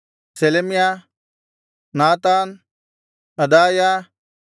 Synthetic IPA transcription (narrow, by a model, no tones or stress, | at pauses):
selemijaː | naːt̪aːn | ɐd̪aːjaː